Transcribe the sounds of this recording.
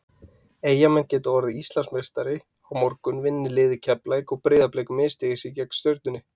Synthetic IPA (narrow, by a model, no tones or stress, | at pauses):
eːjamɛncɛːt̪aɔɾðɪist̪lansmejst̪aɾɪ | awmɔɾkʏnvɪnːɪlɪːðɪcʰɛplaːjkɔɣpɾeːðapleːjkʏmɪːst̪ɪɣɪsɪcɛknst̪jœɥɾt̪nʏnɪ